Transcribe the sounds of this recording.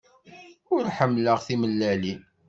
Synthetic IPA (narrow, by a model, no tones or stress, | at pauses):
ʊɾħəmːləʁθiməlːæli